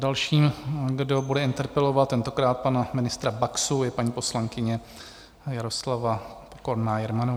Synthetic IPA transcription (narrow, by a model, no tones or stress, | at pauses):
dalʃiːmɡdo̞budɛɪnt̪ɛɾpɛlo̞vat̪t̪ːɛnt̪o̞kɾaːt̪̚panamɪnɪst̪ɾabaksujɛpaɲiːpo̞slaŋkɪɲɛ | jaɾo̞slavapokoɾnaːjɛɾmano